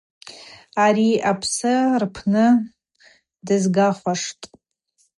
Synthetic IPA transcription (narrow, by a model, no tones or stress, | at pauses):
aɾiʔapʰsɨrpʰnɨ | dɨzɡaχʷaʂtʼ